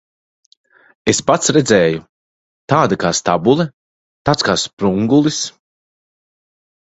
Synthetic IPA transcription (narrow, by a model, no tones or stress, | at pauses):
espat̪sɾed̪zɛːju | t̪aːd̪akaːst̪abulˠɛ | t̪aːt̪skaːspɾuŋɡulˠis